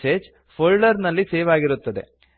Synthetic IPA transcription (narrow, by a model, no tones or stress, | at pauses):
seːd͡ʒ | pʰolɖɐɾnɐlːiseːʋaːɡiɾut̪ːɐd̪e̞̰